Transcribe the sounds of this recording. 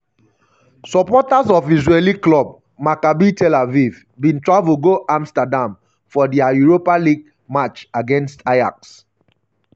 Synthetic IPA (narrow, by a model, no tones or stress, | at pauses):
sɔpɔtazɔfizɹeliklɔb̚ | makabitʰɛlaviv | bĩntɹavuɡoʔãmstadãm | fɔdiajuɹopaliɡ | mat͡ʃaɡɛ̃nstaja̰ks